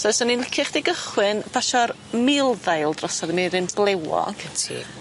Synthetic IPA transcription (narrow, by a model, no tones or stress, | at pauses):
sɔsɔninlɪkʰɪχd̥eɡəχwɨnb̥aʃɔr | mɪlˠðajlˠdrɔsɔðmɪɾɨnb̥lˠewɔ̰ə̰ŋkʰətʰḭ